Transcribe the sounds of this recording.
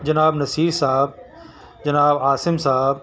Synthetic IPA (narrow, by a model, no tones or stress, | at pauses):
d͡ʑɐnaːbnɐsiːsaɦɪb̚ | d͡ʑɐnaːbaːsɪmsaɦb